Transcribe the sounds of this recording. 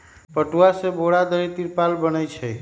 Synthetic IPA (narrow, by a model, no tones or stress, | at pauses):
pəʈuasẽboɽad̪əjt̪iɾpalbənəjt͡ʃʰə